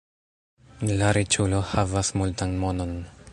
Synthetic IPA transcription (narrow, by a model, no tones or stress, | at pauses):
laɾit͡ʃulohavasmult̪anmonon